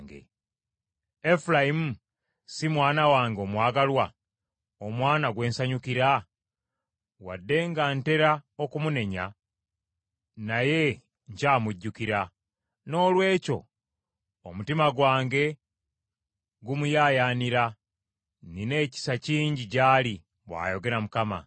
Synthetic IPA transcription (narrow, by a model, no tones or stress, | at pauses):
ŋɡḛ | efulajimu | simwaːnawaːŋɡo̞mwaːɡalwa | omwaːnaɡwe̞ːnsaɲukiɾa | wa̰dːe̞ŋɡante̞ɾaokumune̞ɲa̰ | naje̞ | ɲcaːmuɟːukiɾa | no̞ːlwe̞ːco̞̰ | omutimaɡwaːŋɡe̞ | ɡumujaːjaːniɾa | nine̞ːci̥saciːɲɟicaːli | βwa̰ːjo̞ɡe̞ɾamukama̰